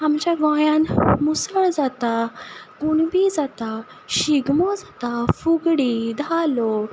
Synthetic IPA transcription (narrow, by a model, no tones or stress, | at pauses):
amt͡ɕaɡɔ̃jãnmusəɭd͡zat̪aɡ̥unbid͡zat̪a | ɕiɡmɔd͡zat̪afuɡɽid̪ʱalɔ